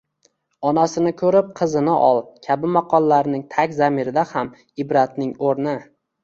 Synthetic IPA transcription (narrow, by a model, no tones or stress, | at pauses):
ɒnasɪnɪkʰɵɾɪp̚qʰɨzɪnɪʔɒlˠkʲʰabɪmaqʰɒlˠːaɾnɪŋt̪ʰakʲzamɪɾɪd̪aham | ɪbɾat̪nɪŋoɾnɪ